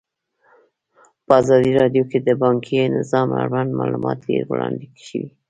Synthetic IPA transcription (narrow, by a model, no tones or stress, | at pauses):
pəɑzɑd̪iɾɑɖjoked̪əbɑŋkʰijonɪzɑmaɾwand̪mɑlumɑt̪deɾwlɑnd̪ekʃəwi